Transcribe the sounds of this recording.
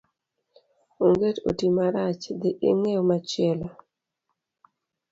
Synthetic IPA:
oŋɡeto̰timaɾat͡ʃd̪ɪʔɪŋeomat͡ʃɪela

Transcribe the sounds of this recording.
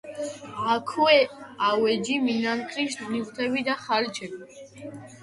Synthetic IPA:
akʰuɛawɛd͡ʒiminankʰɾiʃt̪nivt̪ʰɛbid̪aχalt͡ʃʰɛbi

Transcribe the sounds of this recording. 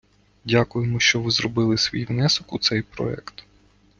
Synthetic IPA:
dʲakʊjemɔʃt͡ʃɔʋɪzɾɔbɪlˠɪsʋʲḭjʋnɛsɔkut̪sɛjpɾɔ̰ɛ̰kt̪

